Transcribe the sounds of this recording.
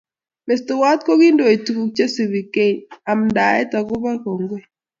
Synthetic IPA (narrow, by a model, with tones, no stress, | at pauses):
me˨stʊ˨wa˦t̪̚ko˦ɡi˦ndo˨e˨tku˨k̚t͡ʃe˦si˨bi˨ke˦ɲa˨mnda˨ɛ̰˦ta˨ɡʊ˦ba˦ko˨ŋɡwe˦